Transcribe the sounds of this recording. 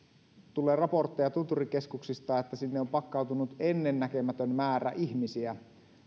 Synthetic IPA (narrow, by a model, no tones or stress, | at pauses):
t̪ulːˑeːrɑport̪ːejɑt̪ut̪urikeskuksist̪ɑːet̪ːæsinːeompɑkːɑˑwt̪unut̪enːenːækø̞mæt̪ønmæːɾæ̰ʔiçmisiæ